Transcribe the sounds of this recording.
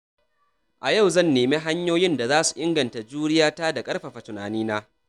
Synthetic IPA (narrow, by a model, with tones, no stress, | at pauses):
ʔa˨ja˦˨wzɐ˦˨nːeː˨meː˦ɦa˦ɲjoː˦jɪ˦nda˨zaː˦su̥˨ʔɪ˦ŋɡɐ˨nta˨d͡ʒuː˦ɽɪ˦jaː˦taː˦da˨kʼɐ˦ɽɸa˨ɸa˨tʊ˨naː˨niː˦naː˦